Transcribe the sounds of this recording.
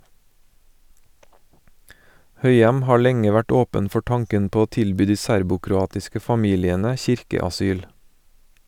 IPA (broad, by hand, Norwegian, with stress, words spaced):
ˈhœʏɛm ˈhɑː ˈlɛŋə ˈʋæʈ ˈoːpən ˈfɔ ˈtɑŋkən ˈpoː ˈoː ˈtɪlˌbyː ˈdiː ˈsæɾbʊkɾʊˌɑːtɪskə fɑˈmiːlɪənə ˈçɪɾkəɑˌsyːl